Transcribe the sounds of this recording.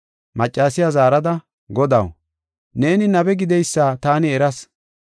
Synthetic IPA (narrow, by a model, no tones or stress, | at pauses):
mɐt͡ʃʼːaːsɪjazaːɾɐd̪ɐ | ɡɔd̪ɐ̰w | ne̞ːnɪnɐbɛɡɪd̪ɛjsːaːt̪aːnɪɛɾɐs